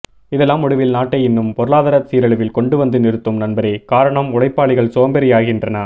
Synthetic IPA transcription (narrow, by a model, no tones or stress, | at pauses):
ɪðɛlːaːmʊɽɪʋɪlnaːʈːɐɪɪnːɯmpɔɾɯɭaːðɐːɾɐsiːɾɐɭɐʋɪlkɔɳɖɯʋɐnd̪ɯnɪɾɯt̪ːɯmnɐnbɐɾeːkaːɾɐɳɐmʊɽɐɪpːaːɭɪɣɐɭsoːɐmbɛɾɪjaːɣɪndrɐnɐ